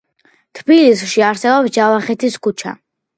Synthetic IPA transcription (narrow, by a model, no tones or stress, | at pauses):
t̪ʰbilisʃiaɾsɛbɔpsd͡ʒavaχɛt̪ʰiskʰut͡ʃʰa̰